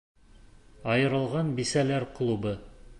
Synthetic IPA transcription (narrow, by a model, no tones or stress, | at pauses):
ɑjɤ̆ɾɤ̆lˠʁɑnbisælæɾklˠubɤ